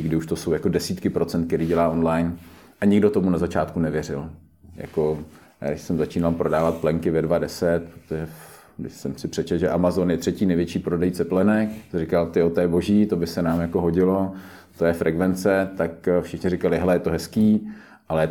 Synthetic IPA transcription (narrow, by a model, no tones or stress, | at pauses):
ɲɪɡdɪuʃt̪osowjako̞dɛsiːt̪kɪpɾo̞t͡sɛnt̪kɛɾiːɟɛlaːʔo̞nlajn | ʔaɲɪɡdo̞t̪omunazat͡ʃaːt̪kunɛvjɛr̝ɪl | ja̰ko | ja̰ːdɪʃsɛmzat͡ʃiːnalpɾodaːvat̪̚plɛŋkɪvɛdvadɛsɛt̪̚pɾot̪oʒɛ | ɡdɪ̰ʃsɛmsɪpr̝̥ɛt͡ʃɛlʒɛʔamazonjɛt̪r̝̥ɛciːnɛjvjɛt͡ʃiːpɾodɛjt͡sɛplɛnɛkrɪkalt̪ɪjot̪ɛːbo̞ʒiːt̪obɪsɛnaːmjako̞ɦoɟɪlo̞ | t̪ojɛfɾʔɛkvɛnt͡sɛt̪akfʃɪxɲɪrɪkalɪɦɛlɛjɛt̪oɦɛskiː | ʔalɛɛ